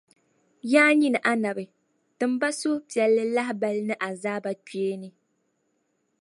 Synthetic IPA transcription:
jaː˦ɲi˦nɨ˨ʔa˦na˨bɨ˨ | tɨ˨m˦ba˦so˦pi˨ɛ˨lːɨ˦la˦ɦba˦lɨ˦nɨ˦ʔa˨zaː˦ba˦˨te˦nɨ˦

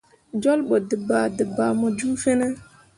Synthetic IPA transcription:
d͡ʒo˦lɓo˨də˨ba˨də˨ba˨mɔ˨d͡ʒu˦fe˦ne˦

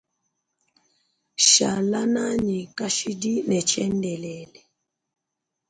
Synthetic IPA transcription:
ʃa̰˨la˦na˦ɲi˨ka˦ʃi˦di˦nɛ˨t͡ʃɛ˦ndɛ˨lɛ˨lɛ˨

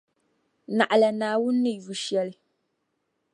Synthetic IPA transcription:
na˨ʔa˨la˨naː˨wʊ˦nːɪ˦ju˨ʃjɛ˦lɪ˨

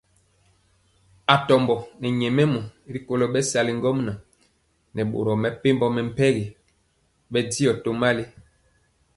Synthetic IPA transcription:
a˨tɔ˨mbɔ˨nɛ˨ɲɛ˨mɛ˦mɔ˨˦ɾi˨ko˨lɔ˨ɓɛ˦sa˨li˨ŋ˦ɡɔ˦mna˨ | nɛ˨ɓo̰˨ɾɔ˨mɛ˨pe˦mbɔ˦mɛ˨m̩˦˨pɛ˦ɣe˨ | ɓɛ˦di˦ɔ˨to˦ma˦le˦

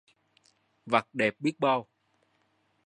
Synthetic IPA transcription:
va˨˩k̚ɗɛ˨˩p̚ɓi˦˥ək̚ɓa˧w

